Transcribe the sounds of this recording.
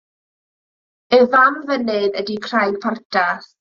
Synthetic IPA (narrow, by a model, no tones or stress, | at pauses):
ɛvamvənɨðədikʰr̥ajɡ̥pʰartʰaθ